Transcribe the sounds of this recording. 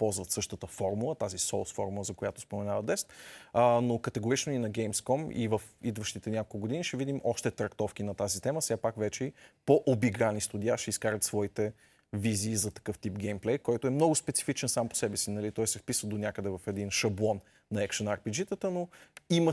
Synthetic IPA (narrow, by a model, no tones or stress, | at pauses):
pɔlˠzvət̪sɤʃt̪ət̪əfɔɾmulˠət̪azisɔlˠsfɔɾmulˠəzɐkojat̪ʊ̥spomɛnavɐd̪ɛst̪ənokət̪ɛɡʊɾit͡ʃnoinɐɡɛjmskɔmḭvəfid̪vəʃt̪it̪ɛnʲakolkˠʊɡod̪iniʃɛvid̪imʔɔʃt̪ɛt̪ɾɐkt̪ɔfk̟inɐt̪azit̪ɛməsɛɡapakvɛt͡ʃɛipoʔobiɡɾanist̪ʊd̪ʲiaʃɛiskaɾət̪svɔit̪ɛ | viziːzɐt̪ɐ̥kɤft̪ipɡʲɛjmplɛjkɔjt̪ʊɛmnɔɡʊspɛt̪si̥fit͡ʃɛnsampo̥sɛbɛsinɐlit̪ɔjsɛfpisvəd̪onʲakəd̪ɛvɐfɛd̪inʃɐblˠɔnː | ɐɛkʃənaɾpid͡ʒit̪ət̪ənoimə